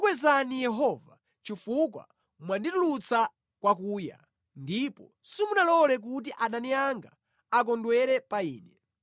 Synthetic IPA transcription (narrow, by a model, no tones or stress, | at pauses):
kwɛzanijɛɦɔva | t͡ʃifuk̬wa̰ | mwanditulut͡sa | kwak̬uːja̰ | ndipɔ | simunalɔlɛk̬ut̬iʔaɗaniaŋɡa̰ | ak̬ɔndwɛɾɛpaiːnɛ